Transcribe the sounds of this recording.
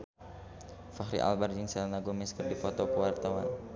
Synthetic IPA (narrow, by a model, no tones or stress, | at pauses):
faɦɾḭʔa̰lbard͡ʒiŋsɛlnaɡumɛskərdipɔt̪ɔkəwart̪awan